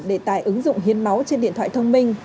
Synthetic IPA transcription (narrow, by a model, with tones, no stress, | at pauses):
ɗe˧˩t̪aː˧˩jʔɨ˨˦ŋzʊ̰˧˨ŋ͡mɦi˨˦ənma˨˦wt͡ɕe˧nɗḭ˧˨ənt̪ʰwa̰ː˧˨t̪ʰə˧wŋ͡mmï˧ŋ̟